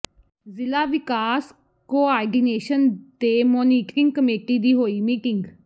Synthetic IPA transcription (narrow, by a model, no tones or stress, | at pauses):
zɪlaːʋɪkaːs | koːaːɖiːneːʃənd̪eːmɔːniːʈɾɪ̃ŋɡ̚kəmeːʈiːd̪iːɦoːiːmiːʈɪŋɡ